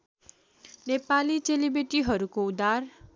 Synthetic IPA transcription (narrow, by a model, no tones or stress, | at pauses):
nepalit͡selibeʈiɦʌɾukoud̪ar